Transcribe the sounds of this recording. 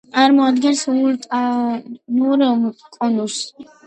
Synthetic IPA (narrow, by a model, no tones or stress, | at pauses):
aɾmɔad̪ɡɛnsuɾt̪ʼ | nuɾkʼɔnus